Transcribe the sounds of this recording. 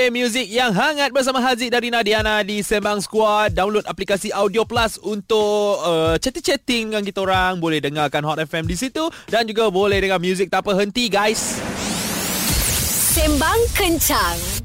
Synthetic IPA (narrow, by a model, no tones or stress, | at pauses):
emjuzik̚jaŋɦaŋat̪̚bərs̬amaɦazidaɾinãdianãdisɛmbaŋskwɔt̪̚damlʊt̪aplikasiʔawdioplasunt̪ʊʔət͡ʃɛt̪it͡ʃɛt̪ɪŋjaŋk̬it̪aoɾaŋbolɛhdəŋarkanɦɔt̪ɛfɛmdisit̪udand͡ʒuɡabolɛhdəŋamjuzik̚t̪apəɦənt̪iɡajs | sɛmbaŋkəɲt͡ʃaŋ